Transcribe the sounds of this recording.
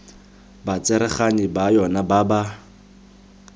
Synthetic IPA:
bat͡sʼɛɾɛχanɪbajɔnababa

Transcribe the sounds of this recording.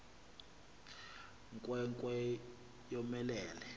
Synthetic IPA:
ŋkʼwɛŋkʼwɛ | jɔmɛlɛːlɛ

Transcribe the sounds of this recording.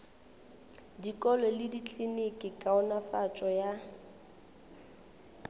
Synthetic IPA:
dikʼɔlɔlɪdit͡ɬʼinikʼɪkʼaʊnafat͡ʃʼɔja

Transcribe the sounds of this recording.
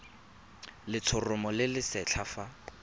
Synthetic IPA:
lɪt͡sʰʊrʊmɔlɪlɪsɛt͡ɬʰafa

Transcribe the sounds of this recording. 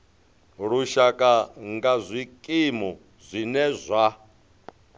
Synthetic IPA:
ɺuʃakʼaŋɡazʷikʼimɔ | zʷinɛzʷa

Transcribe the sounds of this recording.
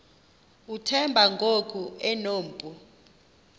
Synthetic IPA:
utʰɛmbʱaŋɡʱok̬ʼuɛnoːm̩pʼu

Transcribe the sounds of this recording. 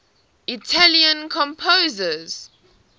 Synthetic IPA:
itʰaliə̃nkʰɔ̃mpʰozəz̥

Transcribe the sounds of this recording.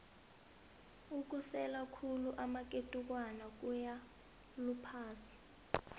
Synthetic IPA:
uk̬usɛlakʰuluʔamak̬ʼetʼuk̬wanak̬uja | lupʰaːt͡sʰi̥

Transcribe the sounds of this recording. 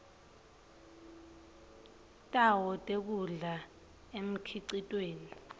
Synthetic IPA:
tʼawɔtʼek̬ʼuɮa | em̩kʰiǀitʼweːni

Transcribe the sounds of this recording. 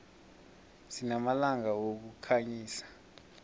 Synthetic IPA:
sinamalaŋawok̬ukʰaɲiːsḁ

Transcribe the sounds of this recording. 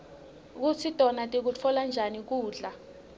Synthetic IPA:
k̬ut͡sʰitʼɔnatʼik̬ut͡fʰɔland͡ʒʱanik̬uːɮa

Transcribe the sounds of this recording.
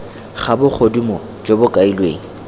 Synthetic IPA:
χabʊk͡xʰodumɔ | d͡ʒobʊkʼailweːŋ̩

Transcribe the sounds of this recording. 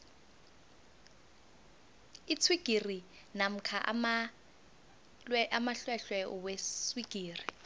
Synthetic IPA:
it͡sʰwiɡ̥ʱiri | nam̩kʰaʔma | ɛʔamaɬwɛɬwɛʔɔ̰weswiɡ̥ʱiːri

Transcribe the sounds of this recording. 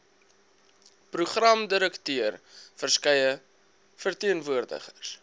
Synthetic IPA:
pruχrɐmdəɾəktøərfərskɛjə | fərtiənvuərdə̰χərs

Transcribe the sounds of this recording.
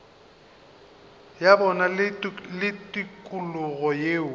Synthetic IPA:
jabɔnalɪtʼikʼulʊɣɔjeːʊ

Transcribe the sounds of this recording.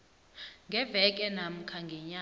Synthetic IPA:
ŋɡʱɛvɛk̬ʼɛnam̩kʰaŋɡʱɛɲa

